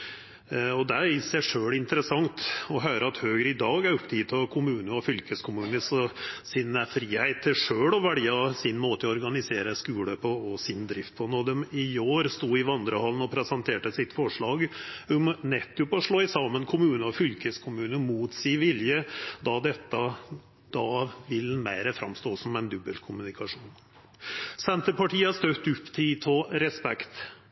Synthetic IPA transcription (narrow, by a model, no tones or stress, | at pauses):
ɔd̪ɛɪsæɪʂøːɭɪnt̪əɾəsɑŋt̪ɔɦœːɾəɑt̪høːɡəɾɪd̪ɑːɡæɾʊpt̪ʰɪːt̪ʰɑkʰʊmʉːnəɔfʏlkəskʰʊmʉːnəsɔsɪnəfɾiːhæɪt̪ʰːɪʂøːɽɔʋæɖ̪ɪːɑsɪnmoːt̪əɔɔɾɡɑnɪseːɾəskʉːləpʰɔːsɪnd̪ɾɪft̪̚pʰɔnɔd̪ɛmɪoːɾst̪uːɪʋɑnd̪ɾəhɑln̩ɔpʰɾɛsɑnt̪ʰeːʈəsɪt̪fɔʂɭɑːɡʊmnɛt̪ːʊpɔɔʂɭoːɪsɑmənkʰʊmʉːnəɔfʏlkəskʰʊmʉːnəmuːt̪sɪʋɪljəd̪ɑd̪ɛt̪ːɑ | d̪̥ɑːʋɪlmæɪɾəfɾɑ̰mst̪oːsɔmɛɪnd̪ʉbəlkʰʊmʉnɪkɑʂuːn | sɛnt̪əpɑʈʰiːɑst̪øt̪ʉpːt̪ʰiːt̪ʰɔɾɛspɛ̰kt̪